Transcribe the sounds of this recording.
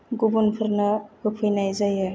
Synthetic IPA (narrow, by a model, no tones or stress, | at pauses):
ɡubunpʰɯɾnaɡɯpʰɯjnajzajɯ